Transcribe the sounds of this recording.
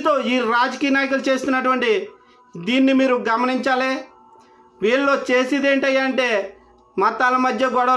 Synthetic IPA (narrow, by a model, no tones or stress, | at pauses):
t̪o̞ːiːɾaːd͡ʒɐkijɐnaːjɐkulut͡ʃe̞ːst̪unːɐʈuʋɐɳʈi | d̪iːnːimiːɾuɡɐmɐniɲt͡ʃaːleː | ʋiːɭːo̞ːt͡ʃe̞ːsid̪e̞ːɳʈɐjːaːɐɳʈe̞ː | mɐt̪ːaːlɐmɐd̪jɐɡɔɽɐɐ